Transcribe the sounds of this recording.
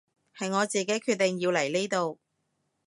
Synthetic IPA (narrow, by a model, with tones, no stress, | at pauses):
hɐ˨jŋɔː˨˧t͡siː˨ke˨˥jkʰyː˥˧t̚t̪ːɪ˨ŋjiː˧wlɐ˨˩jle˥t̪o˨˧w